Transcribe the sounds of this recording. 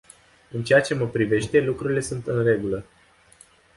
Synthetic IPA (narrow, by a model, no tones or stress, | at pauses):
ɨnt͡ʃe̞jat͡ʃe̞məpɾive̞ʃt̪e̞lukɾuɾile̞sunt̪ɨnre̞ɡulə